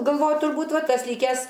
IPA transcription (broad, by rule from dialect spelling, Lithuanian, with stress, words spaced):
ɡɐlˠˈʋoːjʊ tʊrˈbuːt ˈʋɐ ˈtɐs ˈlʲiːkʲɛs